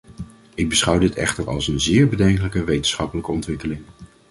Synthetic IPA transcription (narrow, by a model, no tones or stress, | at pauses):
ɪɡ̚bəsχʌwdɪtɛ̰χtəɹɑ̰lˠsənzɪːɹbədɛŋkələkəʋejtənsχɑpələkəɔntʋɪkəlɪŋ